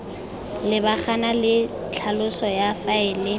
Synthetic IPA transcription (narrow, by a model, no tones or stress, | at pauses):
lɪbaχanalɪ | t͡ɬʰalʊsɔjafaɪlɪ